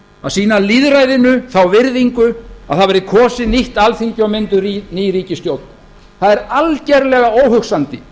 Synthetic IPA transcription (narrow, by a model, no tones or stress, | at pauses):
asiːnaliðɾajðɪnʏθawvɪɾðiŋkʏaðθaðvɛɾɪkʰɔːsɪniht̪alθiɲcɪɔmɪnt̪ʏɾiniːjɾiːcɪst̪jowt̪̚n | θaðɛɾalcɛɾlɛɣaoːwɦʏksant̪ɪ